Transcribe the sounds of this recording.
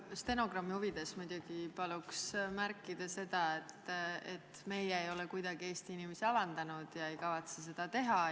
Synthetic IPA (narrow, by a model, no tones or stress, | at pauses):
st̪e̞no̞ɡ̥rɑmːihuvid̪̥e̞smujd̪̥oɡ̥ipɑluksmærkːˑid̪̥ɑse̞d̪̥ɑe̞t̪ːˑḛt̪me̞jɛejo̞lekujd̪̥ɑɡ̥ie̞ːst̪iinimesiɑvɑnd̪̥ɑnud̪̥jɑe̞jkɑvɑt̪ses̬e̞d̪̥ɑt̪e̞ɦɑ